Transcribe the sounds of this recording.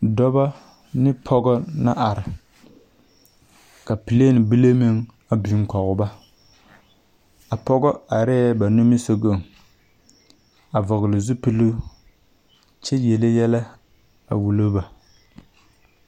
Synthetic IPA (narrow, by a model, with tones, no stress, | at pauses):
dɔ˦ba˦ | nɪ˦pʰɔ˦ɡɔ˦na˦ʔa˨ɾɪ˨ | ka˨pi˨le˦nɪ˨bi˦le˦mi˦ŋ | a˨bi˨˦ŋ˦kɔ˨ɣʊ˨ba˦ | a˨pɔ˦ɡɔ˦a˨ɾɛ˦ba˨no˦mɪ˦so˨ɡo˦˨ŋ | a˨vɔ˨ɣɪ˨lɪ˨zu˦pi˦lu˦ | t͡ʃɛ˦jɛ˨le˦jɛ˦la˦ | a̰˨wu˨lo˦ba˨